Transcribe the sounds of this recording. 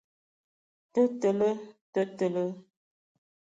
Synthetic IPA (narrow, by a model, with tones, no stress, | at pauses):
tə˦tə˨lə˦tə˦tə˨lə˦